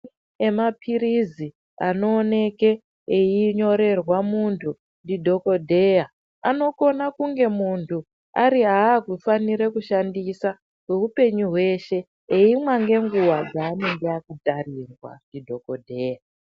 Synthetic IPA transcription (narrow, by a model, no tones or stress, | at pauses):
emapʰiɾizi | ano̞ːne̞ke̞ | eiɲo̞ɾe̞rwamuntʰu | ndidʱo̞ko̞dʱe̞ːja | ano̞ko̞nakuŋɡe̞muntʰu | aɾiaːkufaniɾekuʃandisa | kweupe̞ɲuɦwe̞ʃe̞ | eimwaŋɡe̞ŋɡuwad͡zaːne̞ŋɡeakudʱarirwa̰ndidʱo̞ko̞dʱeːja